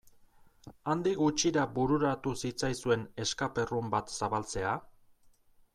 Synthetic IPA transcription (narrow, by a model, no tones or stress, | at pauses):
and̪ikɡut͡ʃiɾabuɾuɾat̪usit͡sajsue̞ne̞skape̞rumbat̪saβalt͡se̞a